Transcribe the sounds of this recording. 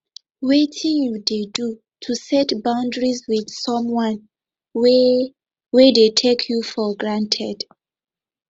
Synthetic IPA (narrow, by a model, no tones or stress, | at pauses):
wetʰĩŋjudedu | tʰusɛtbãʊ̃ndɹizwið̥sɔ̃mwãn | wɛdetʰekʰjufɔɡɹãntʰɛd̥